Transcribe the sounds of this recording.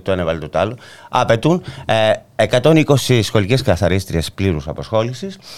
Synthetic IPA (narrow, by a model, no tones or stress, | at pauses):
t̪oenevɐlit̪ot̪oɐloɐpet̪un | ekɐt̪o̞niko̞sisxo̞lice̞skɐθɐɾist̪ɾiespliɾusɐpɐsxo̞lisis